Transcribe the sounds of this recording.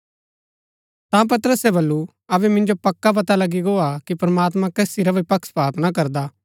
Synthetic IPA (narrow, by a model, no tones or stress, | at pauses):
t̪ãp̬ɐt̪əɾəsɛbɐlːu | ɐbɛmɪ̃nd͡ʒopɐkːap̬ɐt̪alɐɡiɡoakipɐɾmaːt̪mãkeːsiɾɐʋiipɐkspɾaːt̪nak̬ɐɾd̪a